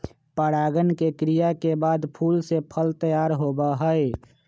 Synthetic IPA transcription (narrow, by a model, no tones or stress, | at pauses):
pəɽaːɡənkekɾijakebaːd̪pʰuːlsepʰəlt̪əjaːɾɦobaɦəe